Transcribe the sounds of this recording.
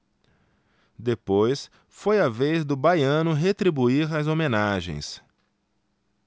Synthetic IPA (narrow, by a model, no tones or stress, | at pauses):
d̪epojs | fojɐvejzd̪ʊbajɐ̃nʊɦet̪ɾibuiɾɐzomẽnaʒḛ̃j̃s